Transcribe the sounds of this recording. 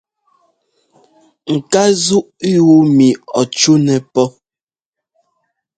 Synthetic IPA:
ŋ̩˨ka˦zu˦ʔi˦wu˦mi˨ɔ˨t͡ʃu˦nɛ˨pɔ˦

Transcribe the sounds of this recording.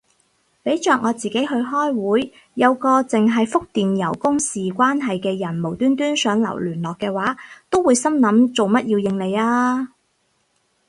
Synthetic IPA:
pe˨˥jt͡ʃœː˨k̚ŋɔː˨˧t͡siː˨ke˨˥jɦɵ˧ɥɦɔː˥jwuː˨˥jː | ɐ˨˧wkɔː˧t͡sɪ˨ŋɦɐ˨jfʊ˥k̚t̪iː˨njɐ˨˩wkʊ˥ŋsiː˨kʷaː˥nɦɐ˨jkɛː˧jɐ˨˩nmo˨˩wt̪yː˥nt̪yː˥nsœː˨˥ŋlɐ̰˨˩wlyː˨˩nlɔː˨kːɛː˧waː˨˥t̪o˥wːuː˨˧jsɐ˥mnɐ˨˥mt͡so˨wmɐ˥t̚jiː˧wjɪ˧ŋle˨˧jaː˥

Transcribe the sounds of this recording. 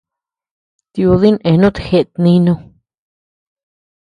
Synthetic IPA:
t̪i˧u˧ði˦nẽ˨˧nũ˦t̪i̥˧˨xe˧ʔt̪nĩ˧˦nũ˧

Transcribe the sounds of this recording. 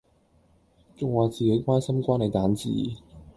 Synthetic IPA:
t͡sʊ˨ŋwaː˨˩t͡siː˨ke˨˥jkʷaː˥nsɐ˥mkʷaː˥ne˨˧jt̪aː˨˥nt͡sḭː˨˩

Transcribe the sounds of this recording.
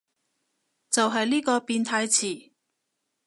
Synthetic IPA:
t͡sɐ˨wɦɐ˨jliː˥kɔː˧piː˧nt̪ʰaː˧jt͡sʰiː˨˩

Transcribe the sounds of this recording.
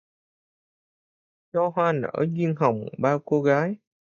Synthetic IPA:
t͡ɕɔ˧ɦwaː˧nə̰ː˧˩zwi˧ənɦə˨˩wŋ͡mɓaː˧wko˧ɣaː˨˦j

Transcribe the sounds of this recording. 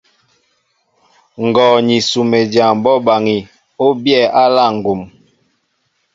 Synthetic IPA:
ŋ̩˨ɡɔː˨ɲi˨su˨me˨d͡ʒa˨m˨bɔ˦ba˨ŋi˨ | o˦bjɛ˦˨a˦la˦˨ŋ̩˨ɡo˨m

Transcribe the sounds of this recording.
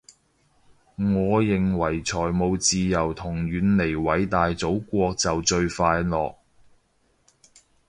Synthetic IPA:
ŋɔː˨˧jɪ˨ŋwɐ˨˩jt͡ʃʰɔː˨˩jmo˨˧wt͡siː˨jɐ˨˩wt̪ʰʊ˨˩ŋɥyː˨˥nle˨˩jwɐ˨˧jt̪aː˨jt͡so˨˥wkʷɔː˧k̚t͡sɐ˨wt͡ʃɵ˧ɥfaː˧jlɔ̰ː˨k̚

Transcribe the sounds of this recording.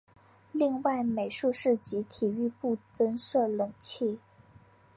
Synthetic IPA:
li˥˧ŋwa˥˩ɪme˨˩ɪʂu˥˧ʂɻ̩˥˩t͡ɕi˧˥t̪ʰi˨˩y˥˧pu˥˩t͡sə˥nʂɤ˥˩lɤ˨˩ŋt͡ɕʰi˥˩

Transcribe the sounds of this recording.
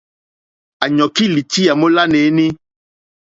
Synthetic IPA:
a˨ɲɔ̃˨ki˦li˨t̪i˦a˨mo˦la˦ne˨˦nẽ˦

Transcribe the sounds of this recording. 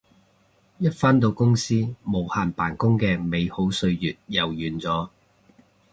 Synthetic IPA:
jɐ˥t̚faː˥nt̪̬o˧wkʊ˥ŋsiː˥mo˨˧whaː˨˩npaː˨˩nkʊ˥ŋkɛː˧me˨˧jho˨˥wsɵ˧ɥjyː˨t̚jɐ˨˩wjyː˨˩nt͡sɔː˨˥˦

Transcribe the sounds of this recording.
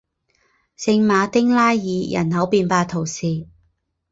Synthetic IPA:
sɪ˧ŋmaː˨˧t̪ɪ˥ŋlaː˥jːiː˨˧jɐ̰˨˩nhɐ˨˥wpiː˧npaː˧t̪ʰo˨˩wsiː˨

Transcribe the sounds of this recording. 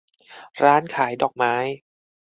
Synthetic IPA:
ɾaː˦˥nkʰaː˩˦jdɔː˨˩k̚maː˦˥j

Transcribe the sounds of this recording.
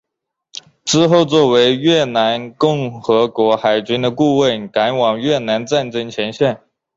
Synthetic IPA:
ʈ͡ʂɻ̩˥xo˥˧ʊt͡swɔ˥˩we˧˥ɪɥɛ˥˩na˧˥nkʊ˥˩ŋxɤ˧˥kwɔ˧˥xa˨˩ɪt͡ɕy˥nd̪ə˧ku˥˧wə˥˩nka˧˥nwɑ˨˩ŋɥɛ˥˩na˧˥nt͡sa˥˩nʈ͡ʂɤ˥ŋt͡ɕʰjɛ˧˥nɕjɛ˥˩n

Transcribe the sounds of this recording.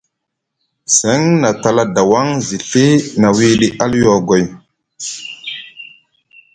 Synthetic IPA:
sɛ˨˦ŋna˨ta˨la˨da˨wa˦ŋzi˨ɬi˦na˨wi˦ɗi˦ʔa˦ljɔ˨ɡo˨j

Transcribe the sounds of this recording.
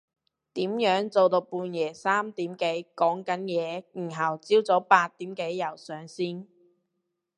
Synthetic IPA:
t̪iː˨˥mjœː˨˥ŋt͡so˨wt̪o˧wpuː˧njɛː˨˩saː˥mt̪iː˨˥mke˨˥jkɔː˨˥ŋkɐ˨˥njɛː˨˧jiː˨˩nɦɐ˨˩wt͡siː˥wt͡sɔː˨˥paː˧t̚t̪iː˨˥mke˨˥jːɐ˨˩wsœː˨ŋsiː˥n

